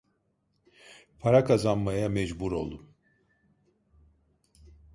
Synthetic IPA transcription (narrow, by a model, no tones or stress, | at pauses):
pʰaɾakʰazanmajamɛd͡ʒbuɾo̞̰lˠum